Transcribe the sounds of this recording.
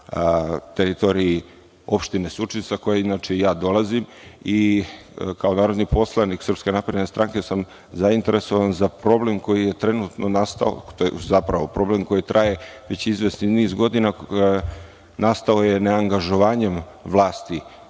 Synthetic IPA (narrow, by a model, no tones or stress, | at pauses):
t̪eɾit̪o̞ɾii | o̞pʃt̪inesut͡ʃinsako̞jeinat͡ʃeijaːd̪o̞lˠazim | i | kao̞naːɾo̞d̪nipo̞slˠaniksr̩pskʲe̞napɾe̞d̪nest̪ɾʔaŋkesam | zaint̪e̞ɾe̞so̞ʋanzapɾo̞ble̞mko̞jije̞t̪ɾe̞nut̪nonast̪a̰o̰t̪ozapɾaʋo̞pɾo̞ble̞mko̞jit̪ɾʔaje̞ʋe̞t͡ɕizʋesniniːzɡo̞d̪ina | nast̪ao̞jene̞aŋɡaʒo̞ʋaːɲe̞m | ʋlˠaːst̪i